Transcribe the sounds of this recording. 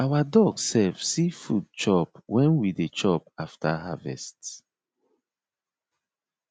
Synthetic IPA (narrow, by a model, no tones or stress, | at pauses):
awadɔɡsɛlfsifud̚t͡ʃɔpwɛ̃nwidet͡ʃɔpaftʰaɦavɛ̰st